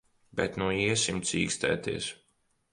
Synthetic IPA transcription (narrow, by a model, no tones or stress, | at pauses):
bɛ̰t̪nuiɛsimt̪sʲḭːkst̪ɛ̰ːt̪iɛs